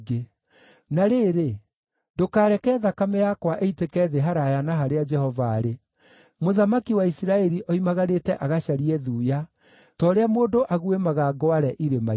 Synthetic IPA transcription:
ɡe | naɾeːɾe | dokaːɾɛkɛːðakamɛjakwaʔeitekɛðeɦaɾajanaɦaɾead͡ʒɛhɔvaːɾe | moðamakiwaisiɾaɛɾiʔɔimaɣaɾetɛʔaɣaʃaɾiɛðuːja | tɔːɾeamoːdoʔaɣuemaɣaɡɔaɾɛʔiɾema

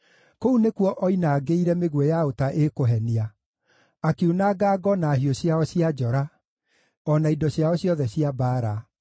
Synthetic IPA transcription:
kounekwɔʔɔinaːɡeiɾɛmeɣwɛjaotaʔekoɦɛnia | akeunaɡaːɡɔnaːɦioɕjaɔɕiad͡ʑɔɾa | ɔnaidɔɕjaɔɕjɔðɛɕijabaːɾa

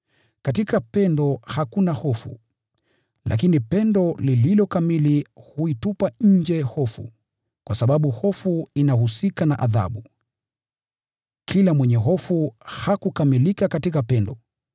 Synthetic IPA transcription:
katikapɛndɔhakunahɔfṵ | lʔa̰kinipɛndɔlililɔkamilihuitupaɲ̩d͡ʒɛhɔfṵ | kwasaɓaɓuhɔfuinahusikanaʔaða̰ɓu | kʰilamwɛɲɛɦɔfuhakukamilikakatikapɛndɔ

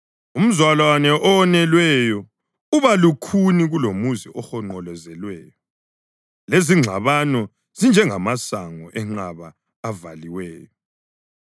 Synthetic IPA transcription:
um̩zwalwanɛʔɔɔnɛlwɛjɔ | uβalukʰuniɣulomuziʔɔxɔŋ͡ǃɔlɛzɛlwɛːjɔ | leziŋ͡ǁʱa̰βanɔ | z̥ind͡ʒʱɛŋamasaŋɔ̰ʔɛŋ͡ǁaβaː | valiwɛːjɔ

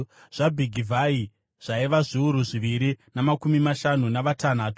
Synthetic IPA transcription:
ʐ̥abʱiɡʱivʱai | ʐ̥aiʋaʐiuɾuʐiʋiɾinamakumimaʃanunaʋatanaːtu̥

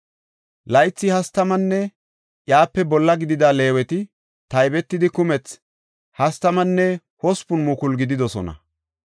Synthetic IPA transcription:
lɐjt͡sːɪhɐst̪ɐmɐnːɛ | jaːpːɛbɔlːɐɡɪd̪ɪd̪ale̞ːwɛt̪ɪ | t̪ɐjbɛt̪ːɪd̪ɪkʊmɛt͡s | hɐst̪ɐmɐnːɛ | hɔspʊnmʊkʊlɡɪd̪ɪd̪ɔsɔ̰nɐ̰

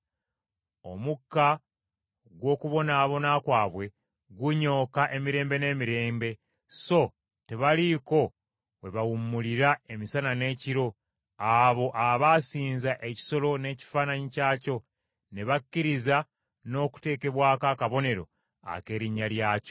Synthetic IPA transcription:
o̞̰mukːa | ɡwo̞ːkuβo̞naːβo̞nakwaːβwe̞ | ɡwuɲo̞ːkaʔe̞miɾe̞ːmbe̞ne̞ːmiɾe̞ːmbe̞ | so̞ | te̞βaliko̞ | we̞βawumːuliɾae̞misanane̞ːciɾo̞ | aβo̞ʔaβaːsiːnzaʔe̞ci̥so̞lo̞ne̞ːci̥faːnaɲicaːco̞ | ne̞βakːiɾiza | no̞ːku̥te̞ːke̞βwaːkaːkaβo̞ne̞ɾo̞̰ | a̰ke̞ːɾiɲːaljaːco̥

